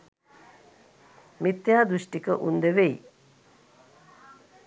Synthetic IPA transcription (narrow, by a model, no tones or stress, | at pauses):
mit̪jaːd̪uʃʈikəʔund̪əʋej